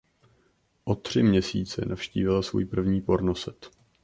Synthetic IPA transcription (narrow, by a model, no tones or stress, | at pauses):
ʔo̞t̪r̝̥ɪmɲɛsiːt͡sɛ̰nʔafʃcḭːvɪlasvṵːjpr̩vɲiːpo̞ɾnosɛt̪